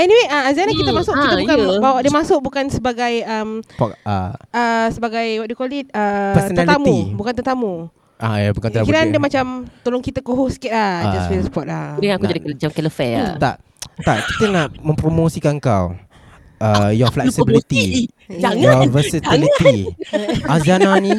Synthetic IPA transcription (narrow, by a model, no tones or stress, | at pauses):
ɛniweaazanakit̪əmasʊʔkit̪əbukanbawadəmasʊʔ̚bukansəbaɡajəmpɔa̰əsəbaɡajwaʔ̚dukɔlit̚əpɛsənəalt̪iamuĩbukant̪ərt̪amu | ajabukant̪ikiɾandəmat͡ʃamt̪olʊŋkit̪əkoɦusi̥kɛt̪̚lahd͡ʒaswiləspɔʔ̪̚adəŋãakkud͡ʒadiat͡ʃamkɛləfɛa̰t̪a̰ʔ | t̪aʔki̥t̪ənaʔmə̃mpɾomosikankaw | ʔəjɔflɛksibilit̪i | d͡ʒaŋɔvəsit̪ilit̪i | azananĩ